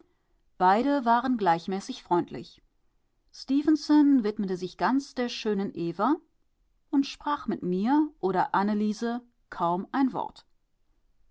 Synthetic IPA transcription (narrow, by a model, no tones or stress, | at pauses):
b̥aɪɾəvaːʁənɡlaɪçmɛːsɪçfʁ̥ɔʏntʰlɪ̰ç | stiːvənsɔnvɪtmətəzɪçɡ̥ant͡sd̥eːɐʃøːnənʔeːvɐ | ʔʊntʃpʁ̥aːχmɪtmiːɐʔoːɾɐʔanəliːzə | kʰaʊmʔaɪnvɔ̰ɐt